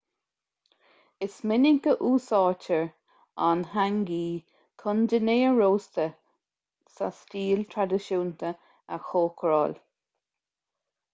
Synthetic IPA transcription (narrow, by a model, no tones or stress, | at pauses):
ɪsmɪnɪŋkəʔuːsɑːt͡ʃəɹ | a̰nhaŋɡiː | kʰʊndəneːəɹoːst̪ə | sastiːlt̪ʰɹad̪ɪʃuːnt̪ə | əxoːkʰɹɑːl